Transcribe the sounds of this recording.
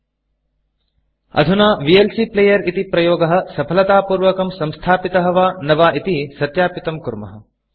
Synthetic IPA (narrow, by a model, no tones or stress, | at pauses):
ɐ̰d̪ʱunaːʋielsipleːjɐɾit̪ipɾɐjoːɡɐɦɐ̆sɐpʰɐlɐt̪aːpuːɾʋɐkɐmsɐmst̪ʰaːpit̪ɐɦɐʋaːnɐʋaːʔit̪isɐt̪jaːpit̪ɐmkuɾmɐ̰ɦɐ